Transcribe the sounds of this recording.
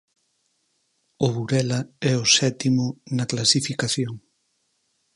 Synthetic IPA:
ʊβuɾɛlɐɛʊsɛt̪imʊnɐklasifikaθjoŋ

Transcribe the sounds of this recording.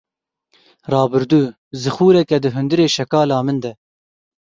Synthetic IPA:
rɑːbɨɾd̪uː | zɨxuːɾɛkɛd̪ɨɦʊnd̪ɨɾeːʃɛkɑːlɑːmɨnd̪ɛ

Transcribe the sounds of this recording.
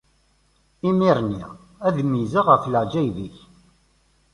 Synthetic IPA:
imiɾnḭ | æðmizaʁəfləʕd͡ʒæjviç

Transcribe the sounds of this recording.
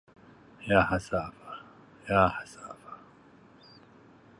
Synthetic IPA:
jaːhasaːfḁ | jaːhasaːfḁ

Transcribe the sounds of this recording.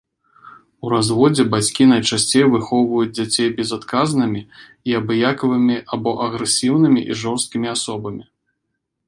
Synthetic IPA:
uɾazvɔd͡zʲɛbat͡sʲkʲinɐjt͡ʂasʲt͡sʲejvɨxɔwvɐjud͡zʲd͡zʲat͡sʲejbʲɛzat̪kaznɨmʲi | iabɨjakɐvɨmʲiʔabɔʔɐɣɾɛsʲiwnɨmʲiʔiʐɔrst̪̚kʲimʲiasɔbɐmʲi

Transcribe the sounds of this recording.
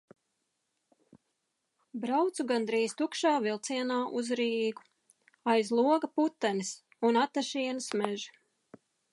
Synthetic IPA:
bɾawt̪suɡand̪ɾiːst̪ukʃaːvilˠt̪siɛnaːʔuzɾiːɡu̥ | ajzlˠuɔɡɐput̪ːanis | unat̪ːaʃiɛnɨsmɛʒi

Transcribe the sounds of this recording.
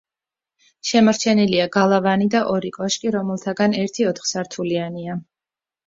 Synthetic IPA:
ʃɛmaɾt͡ʃʰɛniliaɡalˠavanid̪aʔɔɾikʼɔʃkʼiɾɔmɛlˠt̪ʰaɡanɛɾt̪ʰiɔt̪ʰχsaɾt̪ʰuliania

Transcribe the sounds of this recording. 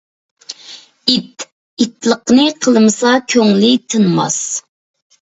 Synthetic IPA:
it̪ | it̪lˠəqnɨqʰəlˠmɨsɑkʲʰøŋlɪt̪ʰɨnmɑ̰s

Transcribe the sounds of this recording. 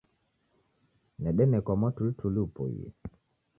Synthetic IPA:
nɛɗɛmɛkɔmɔtultʰulupo̰jḛ

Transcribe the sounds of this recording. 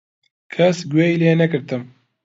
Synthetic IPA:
kʰɐsɡwɛileːnɛkɨɾt̪ɨm

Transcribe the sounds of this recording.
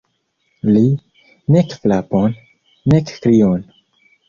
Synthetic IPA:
li | nekflaponː | ekkɾion

